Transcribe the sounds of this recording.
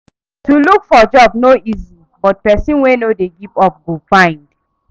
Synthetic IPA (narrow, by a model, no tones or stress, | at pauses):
tulukfɔd͡ʒɔbnoʔizi | bɔt̚pɛsĩnwenodeɡipɔp̚ɡofãɪ̃nd